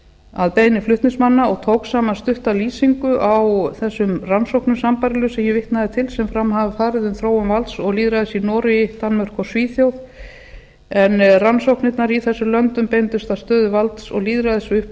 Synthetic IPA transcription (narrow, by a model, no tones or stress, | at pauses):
aðpejnɪflʏht̪nɪsmanːaɔɣt̪ʰowksaːmanst̪ʏht̪aliːsiŋkʏʔawθɛsːʏmransowhknʏsampaɾɪlʏsɛmjɛvɪht̪naðɪt̪ʰɪlsɛmfɾamɦavafaːɾɪðʏnθɾoːwʏmvalt̪sɔɣliːðɾaðɪsinɔːɾɪt̪anmœr̥kɔsviːθjowθ | ɛnransowknɪt̪naɾiθɛsːʏlœnt̪ʏmpejnt̪ʏst̪ast̪œːðʏvalt̪sɔ̰ɣliːðɾaðɪsʏhp